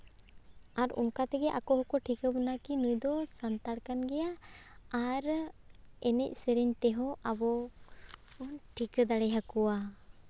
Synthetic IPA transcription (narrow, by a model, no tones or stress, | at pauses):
aɾṵnkat̪ɛɡɛʔakɔɦɔkɔʈʰikəbənakinujd̪ɔsant̪aɽkanɡɛjaaɾ | ɛnɛc̚ˀsəɾiɲt̪ɛɦɔʔabɔ | unʈʰikd̪aɽɛɦakuwa